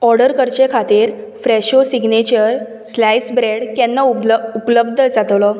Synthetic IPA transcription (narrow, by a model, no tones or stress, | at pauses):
ɔɾɽəɾkəɾt͡ɕekʰat̪iːɾ | fɾɛɕosiɡnet͡ɕəɾ | slajsbɾeɽkɛnːauupləb̚d̪ʱəd͡zat̪lɔ